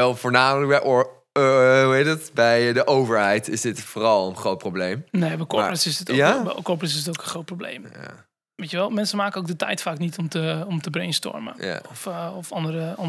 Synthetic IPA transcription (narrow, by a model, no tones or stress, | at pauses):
ɛlˠvoːɹnaːmələk̚bɛʔ | uetdtbɛjdəʔowvəɹɦɛjtɪsdɪtfoːrɑlˠənχrowt̚problejmneːbɛjkɔprəsɪsdɪtbɛ̰kɔprəs̬ɪstokənχrow̚prowblḛjmja̰ | ʋejtjəʋɛlˠmɛnsəmaːkənowkdətɛ̰jtfaːknitʰɔmtəɔmtəbrejnstɔ̰rmə̰a̰ɔfɔfɑndəɾəɔn